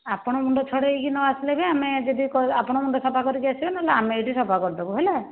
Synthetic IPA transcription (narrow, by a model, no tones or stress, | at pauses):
apɔɽ̃ɔmuɳɖɔt͡ʃʰɔɽejkinɔasilebeamed͡ʒɔd̪ikɔapɔɽ̃ɔmuɳɖɔsɔpakɔɾikiasibɔnaɦelaameejʈisɔpakɔɾit̪ɔbuɦele